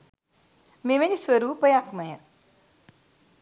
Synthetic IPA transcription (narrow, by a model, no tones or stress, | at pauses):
meʋenisʋəɾuːpəjakmɐjə